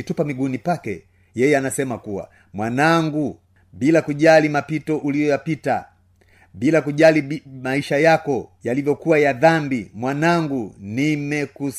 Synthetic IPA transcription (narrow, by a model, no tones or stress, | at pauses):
itupamiɡunipakɛ̰ | jɛjɛanasɛmakuwa̰ | mwanaŋɡu | bilakuʄalimapitɔʔulijɔjapita | bilakuʄalimaiʃajakɔjalivjɔkuwajaðambimwanaŋɡunimɛkus